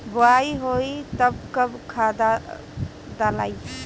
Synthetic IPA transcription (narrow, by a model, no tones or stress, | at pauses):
boaiɦoit̪əbkəbkʰad̪a | d̪ala̰j